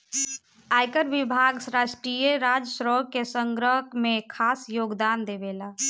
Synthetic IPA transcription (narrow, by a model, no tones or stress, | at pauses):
aːjkəɾʋɪbʱaːɡsɾaːʃʈɾijəɾaːd͡ʒəsɾɔːkːesəŋɡɾəɦəkmẽkʰaːsjoːɡd̪aːnd̪eʋelaː